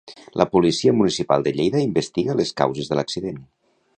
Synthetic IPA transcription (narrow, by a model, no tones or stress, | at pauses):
lʔəpulisiəmunisipa̰lˠd̪əʎejðəimbəst̪iɣələska̰wzezðələksiðen